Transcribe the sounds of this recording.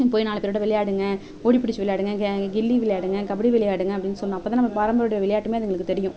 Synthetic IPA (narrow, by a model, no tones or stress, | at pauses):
poːjnaːɭɐpːeɾɯːɽɐʋɪɭɐjaːɽɯŋɡɐ | oːɽipːɪɽɪt͡ʃːɯʋɪɭɐjaːɽɯŋɡɐɡɪlːiʋɪlɐjaːɽɯŋɡɐkɐbɐɽiʋɪɭɐjaːɽɯŋɡɐɐpːɐɽɪnːsɔlːnãːɐpːoːt̪ãːnɐmːɐpaːɾɐmbɐɾːɽɐjɐʋɪɭɐjaːʈːɯmeːɐðɐɛŋɡɐɭɯkːɯt̪ɛɾɪjʊ̃